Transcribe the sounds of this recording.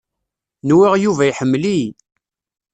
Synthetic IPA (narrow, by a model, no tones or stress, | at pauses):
nwiʁjuvæiħəmːli